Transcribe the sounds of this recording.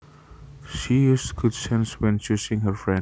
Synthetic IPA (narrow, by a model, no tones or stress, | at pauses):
ʃijuːstɡʊdsɛ̃nswɛ̃nt͡ʃusɪ̃ŋɦəɾfɹɛ̃